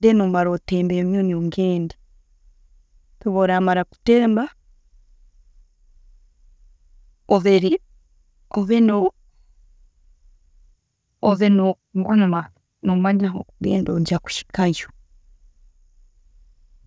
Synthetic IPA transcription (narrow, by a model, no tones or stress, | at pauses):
denomaɾoteːmbemjonoŋɡeːnde | tuβoɾaːmaɾaku̥teːmba | oβeɾi | oβeno | oβeno | ŋɡuɲuma | nomaɲaɦo̰ɡḛːndoɲɟaku̥ʃi̥kaɲʃu̥